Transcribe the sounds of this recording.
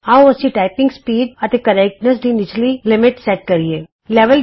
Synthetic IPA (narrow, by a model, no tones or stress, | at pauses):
awɐsiʈaːɪpɪ̃ŋɡspiːɖɐt̪ekɐɾɛk̚ʈnəs̬ɖinɪt͡ʃʰlilɪmɪʈsɛʈ̚kɐɾieː | lɛʋəl